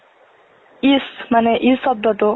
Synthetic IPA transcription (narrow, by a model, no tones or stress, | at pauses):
ismaneʔisʌb̚d̪ɔʈ̪o